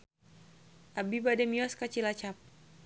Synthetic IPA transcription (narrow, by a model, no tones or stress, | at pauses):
ʔabibadɛmiɔskat͡ʃilat͡ʃap̚